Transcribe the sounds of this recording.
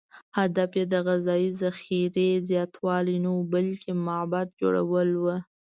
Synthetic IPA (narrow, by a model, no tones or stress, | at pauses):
had̪afjed̪əɣazɑjizaxiɾezjɑt̪wɑlinawubalkemabat̪̚d͡ʒo̰ɽa̰wəlwə